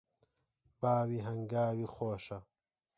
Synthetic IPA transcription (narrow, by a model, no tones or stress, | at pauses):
baːwiɦɐŋɡaːwixoːʃɐ